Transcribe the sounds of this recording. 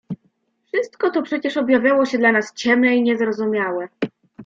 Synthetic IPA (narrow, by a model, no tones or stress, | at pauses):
fʂɘst̪kɔt̪ɔpʂɛt͡ɕɛʂɔbʲjavʲjawɔɕɛd̪lanast͡ɕɛmnɛiɲɛzɾɔzumʲjawɛ